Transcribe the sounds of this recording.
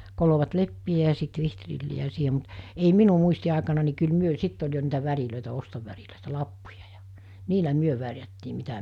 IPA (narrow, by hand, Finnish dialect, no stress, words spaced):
koloʋɑt lepːiæ jɑ sit ʋihtrilːiæ siːhe mut ei minu muistiɑˑekɑnɑ ni kyl myø sitː olʲ jo niːtæ ʋæriløˑitæ ostoʋæriløˑitæ lɑpːujɑ̥ j̊ɑ̥ niːlæ myø ʋærjætːiː mitæ